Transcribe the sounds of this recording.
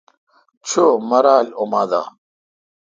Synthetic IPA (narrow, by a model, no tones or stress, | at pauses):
t͡ɕʰomɐɾaːlomaːd̪a̰ː